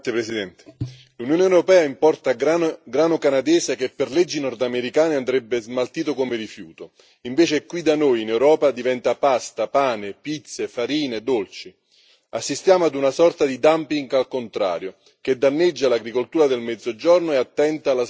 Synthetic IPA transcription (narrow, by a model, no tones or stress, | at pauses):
epɾesid̪ɛnt̪e̥ | lunjoːneɛwɾopɛːaimpɔrt̪aɡaɡɾaːnokanad̪ɛːsekepːerled͡ʒːinɔrd̪ameɾikaːneand̪ɾɛbːezmalt̪iːt̪̬okomeɾifjuːt̪o | iɱveːt͡ʃekwid̪anojinɛwɾɔːpad̪ivɛnt̪apast̪apaːnɪpit̪sːefaɾiːned̪olt͡ʃi | asːist̪jaːmoad̪unasɔrt̪ad̪id̪ampiŋɡalkont̪ɾa̰ːɾjo | k̟ed̪ːanːed͡ʒːalaɡɾikolt̪uːɾad̪elmɛd̪zod͡ʒornoeat̪ːɛnt̪ala